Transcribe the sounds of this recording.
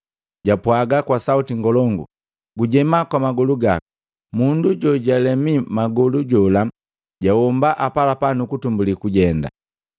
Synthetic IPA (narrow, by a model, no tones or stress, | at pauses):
ɟapwaɡakwasautiŋɡɔlɔŋɡu | ɡuɟɛmakwamaɡɔluɡaku̥ | munduɟɔɟalɛmimaɡɔluɟɔla | ɟawɔmbaʔapalapanukutumbulikuɟɛnda̰